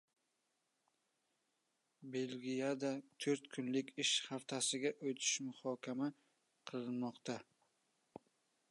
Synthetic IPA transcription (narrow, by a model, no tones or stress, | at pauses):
be̞lɡʲijad̪at̪ʰɵɾt̪kʰʊnlɪkʲɪʃhaft̪ʰasɪɡʲaʔot̪ʰɪ̥ʃmʊhɒkʲʰama | qʰɨlɪnmɒqt̪a